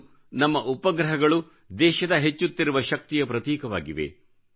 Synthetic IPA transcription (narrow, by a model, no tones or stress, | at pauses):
nɐmːɐʔupɐɡɾɐɦɐɡɐɭu | d̪ɛːʃɐd̪ɐɦet͡ʃːut̪ːiɾuʋɐʃɐk̚t̪ijɐpɾɐt̪iːkɐʋa̰ːɡiʋḛ